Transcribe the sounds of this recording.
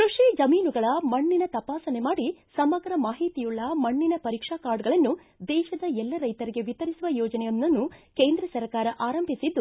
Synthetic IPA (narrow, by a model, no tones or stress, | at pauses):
kɾuʂiːd͡ʒɐmiːnuɡɐɭɐmɐɳːinɐt̪ɐpaːsɐne̞maːɽisɐmɐɡɾɐmaːɦit̪ijuɭːɐmɐɳːinɐpɐɾiːkʂaːkaːɾɖɡɐɭɐnːu | d̪ɛːʃɐd̪ɐɛlːɐɾɐjt̪ɐɾiɡe̞ʋit̪ɐɾisuʋɐjɔːd͡ʒɐnɛjonːɐnːukeːnd̪ɾɐsɐɾkaːɾɐʔaːɾɐmbʱisid̪ːu